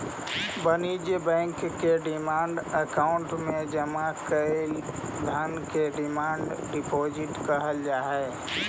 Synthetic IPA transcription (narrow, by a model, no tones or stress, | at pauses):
bənid͡ʒjbɛ̃ːŋkːeɖɪmaːɳɖəkaːʊɳʈmẽd͡ʒəmakəl | d̪ʱənkeɖɪmaːɳɖɖɪpoːd͡ʒɪʈkəɦəld͡ʒaːɦɛː